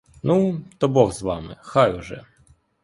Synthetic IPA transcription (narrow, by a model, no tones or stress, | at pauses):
nut̪ɔbɔɣzʋamɪ̰xajuʐɛ̰